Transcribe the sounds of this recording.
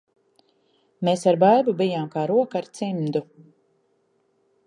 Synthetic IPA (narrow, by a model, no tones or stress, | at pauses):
mesaɾbajbubijaːmkaːɾuɔkaɾt̪simd̪u